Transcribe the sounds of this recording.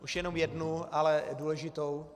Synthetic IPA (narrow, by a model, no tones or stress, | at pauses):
ʔuʃjɛnomjɛdnualɛduːlɛʒɪt̪ow